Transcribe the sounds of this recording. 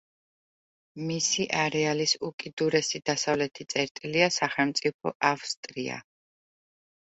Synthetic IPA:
misiʔaɾɛalisukʼid̪uɾɛsid̪asavlɛt̪ʰit̪sʼɛɾt̪ʼiliasaχɛlmt̪sʼipʰɔ̰ʔafst̪ʼɾia̰

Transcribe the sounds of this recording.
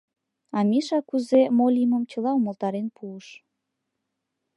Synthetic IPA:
ɑmʲiʃɑkuzemolʲiməmt͡ɕə̆lɑuməlt̪ɑɾenpuəʃ

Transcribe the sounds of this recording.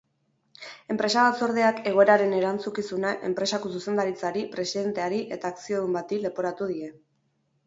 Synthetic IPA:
e̞mpɾe̞saβat͡so̞ɾð̞e̞ake̞ɣ̞o̞e̞ɾaɾe̞ne̞ɾant͡sukisunaʔe̞̰mpɾe̞sako̞suse̞nd̪aɾit͡saɾipɾe̞siðe̞nt̪e̞aɾiʔe̞t̪aːksio̞ðumbat̪ile̞po̞ɾat̪uðie̞

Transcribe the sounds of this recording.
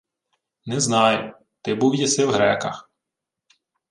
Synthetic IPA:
nɛznɑjʊ | t̪ɪbuwjɐsɪwɦɾɛkɐx

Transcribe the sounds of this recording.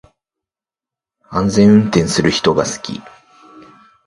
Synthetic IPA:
ãnzẽ̞ɰ̃ɯ̟̃nt̪ẽ̞ɰ̃sɨɾɯ̟çi̥t̪o̞ɡasɨ̥kʲḭ

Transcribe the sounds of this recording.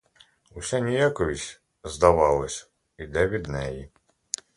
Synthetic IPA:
usʲanʲijakɔʋʲisʲ | zd̪ɐʋɑlˠɐsʲɐ̥ | id̪ɛʋʲid̪nɛji

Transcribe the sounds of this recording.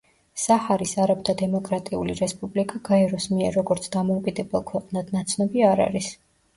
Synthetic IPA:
sahaɾisaɾabd̪ad̪ɛmɔkʼɾat̪ʼiuliɾɛspʼublikʼaɡ̥aɛɾɔsmiɛɾːɔɡɔɾt̪sʰd̪amɔukʼid̪ɛbɛlˠkʰwɛqʼnad̪̥nat̪sʰnɔbiaɾa̰ɾis

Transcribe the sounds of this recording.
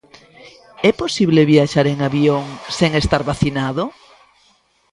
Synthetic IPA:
ɛposiβleβiaʃaɾeŋaβioŋseŋest̪aɾβaθinaðo

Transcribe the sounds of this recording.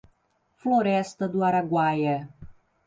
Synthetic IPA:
floɾɛst̪əd̪uaɾaɡwaje

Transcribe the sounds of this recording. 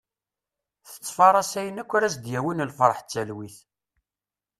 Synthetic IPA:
θə̥t͡sːfɑɾˤɑsæjənækʷːʊɾæsd̪jæwənəlfəɾˤħt͡sːælwiθ

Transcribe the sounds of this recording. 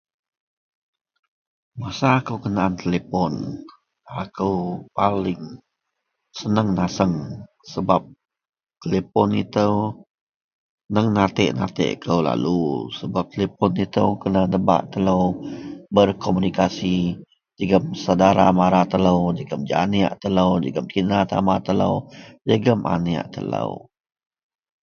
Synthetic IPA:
masaːkəwkənaʔːnt̪elepɔn | akəwpalɪŋ | sənəŋnasəŋ | səbap̚ | t̪elepɔnḭt̪əw | nəŋnat̪ɛ̰ʔnat̪ɛ̰ʔkʰəwla̰lusəbap̚t̪əlepɔnit̪əwkənənəba̰ʔt̪ələwbərkʰomunikasi | d͡ʒəɡəmsadaɾa̰maɾat̪ələwd͡ʒəɡəmd͡ʒa̰nia̰ʔt̪ələwd͡ʒəɡəmkinat̪a̰mat̪ələ̰wd͡ʒəɡəmʔa̰nia̰ʔt̪ə̰lə̰w

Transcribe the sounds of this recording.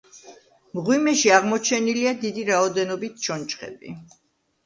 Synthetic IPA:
mʁwimɛʃiaʁmɔt͡ʃʰɛniliad̪id̪iɾaɔd̪ɛnɔbit̪̚ʰʃʰɔnt͡ʃχɛ̰bḭ

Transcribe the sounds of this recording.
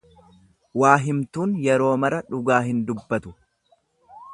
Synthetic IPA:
waːɦɪmt̪uːnjɛɾo̞ːmɐɾɐᶑʊɡaːɦɪnd̪ʊbːɐt̪ʊ

